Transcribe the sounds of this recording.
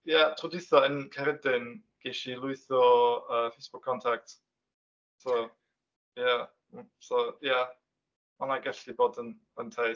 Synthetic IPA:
jatʰrʊdɪθɔənkʰɛɾɪdɪn | ɡ̥ejʃilˠʊɨθɔəːfejsb̥ʊkʰːɔntʰak̚t | sow | ja | soja | manaɡɛɬiboːdən | əntʰej

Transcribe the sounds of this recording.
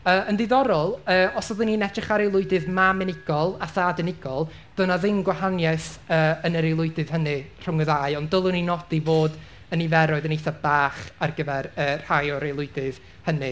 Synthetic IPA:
əːəndɪðɔɾɔlˠəːɔsɔðəninɛdrɪχaɾelˠʊɨdɨðmamɪnɪɡ̥ɔlˠaθadənɪɡ̥ɔlˠ | d̥ʊnaðɪmɡwahanjɛsəːənəɾejlˠʊɨdɨð̥hənɨr̥ʊŋəðaɨɔnddəlˠəninɔd̥ivoːd | ənivɛɾɔɨðənejθabaːχarɡəvɛɾəːr̥hajɔɾejlˠʊɨdɨð̥ | hənɨ

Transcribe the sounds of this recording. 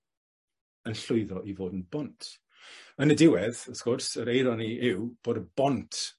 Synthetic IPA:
ənɬʊɨðɔʔivoːdən̩bɔntʰ | ənədɪwɛðəθkʊrsəɾejɾɔniɪwb̥oːdəbɔntʰ

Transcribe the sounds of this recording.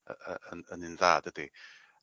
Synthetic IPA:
əəənənɪnðaːdədi

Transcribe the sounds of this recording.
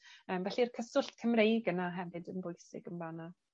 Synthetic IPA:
əːmvɛɬirkʰəsʊɬtkʰəmrejɡənaɦɛvɨdənbʊjsɪ̰ɡənvana

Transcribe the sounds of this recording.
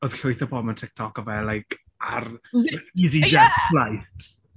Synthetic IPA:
ɔðɬʊɨθəbɔməntʰɪk̚tʰɔkɔvɛlˠːajkʰ | ar | izidɛθlajtʰ

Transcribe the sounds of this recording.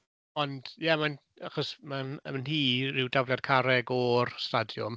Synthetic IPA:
ɔnd̥jaman | aχɔsmanmanɦiːrɪwdavljadkʰaɾɛɡɔrstadjʊ̰m

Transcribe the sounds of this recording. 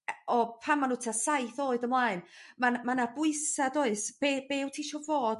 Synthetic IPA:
ɔpʰamːanʊtʰasajθoːɨdəmlˠaɨnmanmanabʊɨsadoɨsb̥eb̥eːwtʰiʃɔvoːd

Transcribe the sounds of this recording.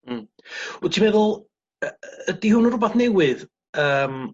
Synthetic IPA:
m̩ | tʰimɛðʊlˠ | ədihʊnərʊbaθnɛwɪð | əːm

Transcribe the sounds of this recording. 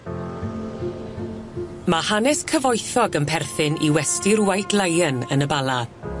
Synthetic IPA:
mahanɛskʰəvɔjθɔɡənpʰɛrθɪniwɛstɪrwajdlajənənəbalˠa

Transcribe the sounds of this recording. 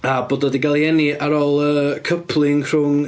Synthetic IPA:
aboːdɔdiɡalˠjɛniaɾoːlˠəːkʰəpʰlˠɪŋr̥ʊŋ

